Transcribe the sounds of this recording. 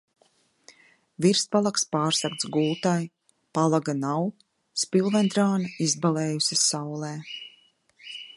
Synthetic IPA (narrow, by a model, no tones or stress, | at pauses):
viɾspalˠakspaːɾsakt̪sɡuːt̪aj | palˠaɡanaw | spilˠvɛnd̪ɾaːnaizbalɛːjusʲasawlˠɛː